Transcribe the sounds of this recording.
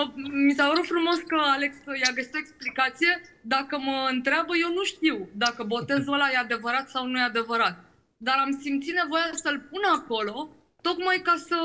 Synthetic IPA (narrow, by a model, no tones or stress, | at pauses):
əmisapəɾut̪fɾumo̞skəaleksjaɡəsi̥t̪oeksplikat̪sije̞d̪akəməɨnt̪ɾeabəje̞wnuʃt̪iwd̪akəbo̞t̪e̞zəlajead̪e̞vəɾat̪sawnujead̪e̞vəɾat̪̚ | d̪aɾamsimt̪sit̪ne̞vo̞jasəlp̚unako̞lo̞ | t̪o̞kmajkasə